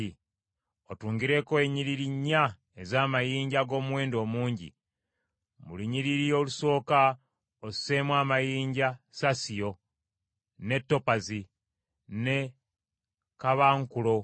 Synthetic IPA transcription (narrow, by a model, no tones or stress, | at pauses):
i | otuːŋɡiɾe̞koeɲiɾiɾiɲːa | ezaːmajiːɲɟaɡo̞ːmuwe̞ːndo̞ːmuːɲɟḭ | mṵliɲiɾiɾijo̞ːluso̞ːka | osseːmwaːmajiːɲɟasasijo̞ | ne̞tːo̞pazi | ne̞ | kaβaːŋkulo̞